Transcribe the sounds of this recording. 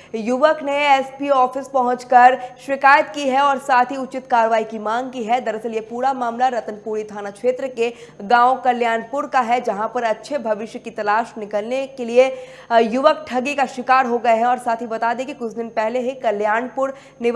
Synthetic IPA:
jʊʋəkneɛːspiɔːfɪspɐɦʊ̃t͡ʃkɐɾʃɪkaːjət̪kiɦɛɔːɾsaːt̪ʰiʊt͡ʃɪt̪kaːɾəʋaːikimãːŋɡ̚kiɦɛd̪ɐɾəsəljepuːɾamaːmlaɾɐt̪ənpuːɾit̪ʰaːnakʃeːt̪ɾəkeɡãːõkɐljaːnpʊɾkaɦɛd͡ʒɐɦãpɐɾɐtːʃʰebʱɐʋɪʃjəkit̪ɐlaːʃnɪkəlnekelie | jʊʋək̚ʈʰɐɡikaʃɪkaːɾɦoɡɐeɦɛ̃ɔːɾsaːt̪ʰɦibɐt̪aːd̪ẽkikʊt͡ʃʰd̪ɪnpɛɦleɦikɐljaːnpʊɾ | nɪʋ

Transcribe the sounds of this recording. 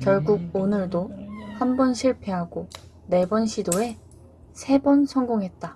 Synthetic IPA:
kjʌɭɡuɡ̚onɯɭdohambʌnɕʰiɭpʰe̞ɦaɡo | ne̞bʌnɕʰidoe̞ | sʰe̞bʌnsʰʌŋɡoŋɦe̞t̚t͈a

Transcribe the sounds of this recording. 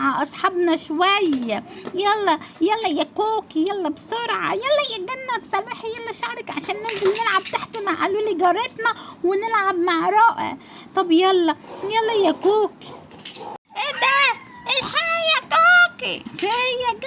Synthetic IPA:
ʕaʔɑsˤħɑbnɑʃwæjːæjælːɑjælːɑjækuːkijælːɑbsoɾʕɑ̰jælːæjeɡænːæbsɑaħejːæmæʃʕɑɾakʕaʃæːnːelzɪmnɪlʕab̚t̪aħt̪imaʕʔaluːliɡɑɾˤɑt̪næwɪnɪlʕabmaʕɾˤɑːʔæ̰t̪ˤɑbjælːɑjælːɑjækuːki̥ | ʔed̪æ | ʔelħajækokixejːæɡ

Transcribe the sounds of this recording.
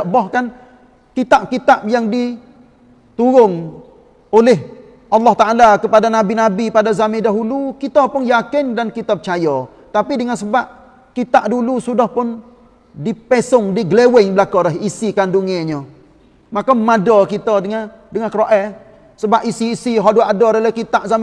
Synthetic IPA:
ʔbɔhkan | kit̪aʔ̚kit̪ap̚jaŋdi | t̪uɾʊŋ | olɪɦ | ʔɑlːɑht̪aalakəpadanabinabipadazamɪ̃daɦulukit̪əpʊnjakɪndankit̪əpət͡ʃajɔ | t̪apidəŋansəbaʔ̚ | kit̪aʔdulusudahpʊn | dipesʊŋdiɡlewɪŋbəlakɔɾaɦisikanduŋɛɲə | makamadɔkit̪ɔdəŋa | dəŋankəɾoʔɛ | səbaʔ̚isiːsiɦɔduadɔɾalɛhkit̪aʔzam

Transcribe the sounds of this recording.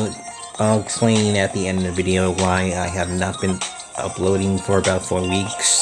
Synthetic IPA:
akspʰl̥ẽɪ̃nɨt̪̚ðiɛ̃ndʌvɪɾioʊwaɪaɪɨvnət̚b̥ɨ̃n | ʔʌ̰ploʊɾɪ̃ŋfə˞ɨbaʊtfɔɹwiks

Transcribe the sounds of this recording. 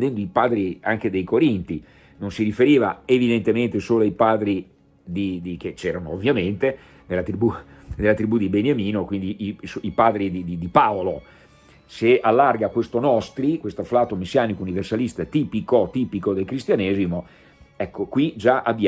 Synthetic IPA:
d̪ɛnd̪oipaːd̪ɾiaŋk̟ed̪ejkoɾint̪i | nonsiɾifeɾiːva̰evid̪ent̪ement̪esoːloaipaːd̪ɾi | d̪id̪iket͡ʃɛːɾanoːvːjament̪e | d̪elːat̪ɾibud̪elːat̪ɾibud̪ibenjamiːnokwind̪iʔisoipaːd̪ɾid̪id̪id̪ipaolo | sealːarɡakwest̪onɔst̪ɾikwest̪oaflaːt̪omesːjaːnikouniversalist̪at̪iːpikot̪iːpikod̪elkɾist̪janɛːzimo | ɛkːokwid͡ʒaʔabj

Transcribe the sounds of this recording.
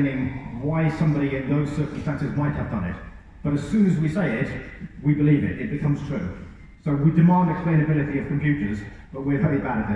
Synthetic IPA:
nɪ̃ŋwaɪsʌ̃mbɾiɪ̃nðoʊz̥sɜˑ˞kə̃m̩stæ̃nsɪzmaɪt̚həvdʌ̃nɪ̰t̚ | b̥ʌɾɨz̥sʉ̃ːnɨzwiseɪɪtwibɨlivɪ̰tɪt̚b̥ɨkʰʌ̃mz̥tʰɹ̥ʉ̰ː | soʊwidɨmɑ̃ndɨksplẽɪ̃nɨbɪlˠɨɾiʌv̥kʰɨ̃ɱfjʉˑt͡ʃə˞z | b̥ʌʔ̚wɪvɛɹibaɾəvɪ

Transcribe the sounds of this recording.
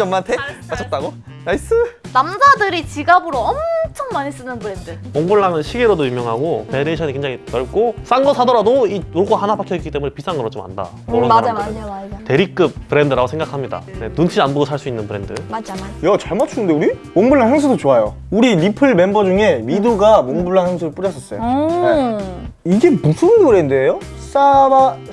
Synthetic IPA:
ʌmːantʰemat͡ɕʰʌt̚t͈aɡo | nais͈ɯnamdadɯɾit͡ɕiɡabɯɾoʌmt͡ɕʰʌŋmaɲis͈ɯnɯnpɯɾendɯmoŋbuɭːaŋɯnɕʰiɡeɾodoymjʌŋɦaɡopeɾeɕʰʌɲike̞ŋd͡ʑaŋipjʌɭk͈os͈anɡʌsʰadʌɾadoioɭɡ͈aɦanabakʰjʌik͈it͈e̞mune̞pis͈ʰaŋɯɾʌt͡ɕ͈oma̰nda̰ | o | te̞ɾik͈ɯp̚pɯɾe̞ndɯɾaɡosʰe̞ŋɡakʰamɲida̰nenunt͡ɕʰianbodosʰaɭs͈uinːɯnpɯɾe̞ndɯad͡ʑjʌt͡ɕaɭmat͡ɕʰunːɯnde̞uɾimoŋbuɭːaŋɦeŋs̬ʰudot͡ɕoajo | uɾilipʰɯɭme̞mbʌd͡ʑuŋe̞miduɡamoŋbuɭːaŋheŋsʰuɾɯɭp͈uɾjʌs͈ʌs͈ʌjoe | iɡe̞musʰɯnpɯɾendɯejo | s͈aba

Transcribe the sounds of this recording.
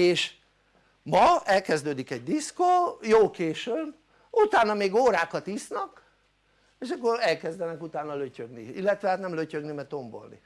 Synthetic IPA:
eːʃ | mɒɛlkɛzd̪øːd̪ikɛɟd̪iskoːjoːkeːʃym | ut̪aːnːɒmeːɡoːɾaːkɒt̪isnɒk | eːʃɒkːo̞ɾɛlkɛzd̪ɛnɛkut̪aːnːɒløcøɡnḭilːɛt̪ʋɛɦaːt̪nɛmløcø̞ɡnimɛt̪o̞mbo̰lnḭ

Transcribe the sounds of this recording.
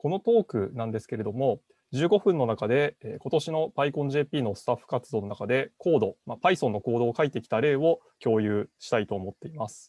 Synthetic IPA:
ko̞no̞t̪o̞ːkɯ̟nãnd̪e̞sɨ̥ke̞ɾe̞d̪o̞mo̞ | d͡ʑɨːɡo̞ɸɯ̟̃nːo̞nakad̪e̞ːko̞t̪o̞ɕino̞baikõ̞ɲ̟ʑe̞ːpʲiːno̞sɨ̥t̪aɸːɯ̟̥kat͡sɨd̪o̞ːno̞nakad̪e̞ko̞ːd̪o̞mapaisonːo̞ko̞ːd̪o̞ːkait̪ːe̞kʲi̥t̪aɾe̞ːβo̞ | kʲo̞ːjɯ̟ːɕi̥t̪ait̪o̞ːmo̞t̪ːe̞imasɨ̥

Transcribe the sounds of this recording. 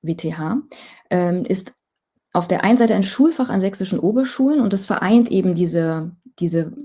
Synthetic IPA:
veːtʰeːɦaːʔɛːmʔɪst | ʔaʊfd̥eːɐʔaɪnənzaɪtəaɪnʃuːlfaχa̰nzɛksɪʃn̩ʔoːbɐʃuːlənʊnt̚d̥asfɛɐʔa̰ɪntʔeːbm̩diːzəd̥iːzə

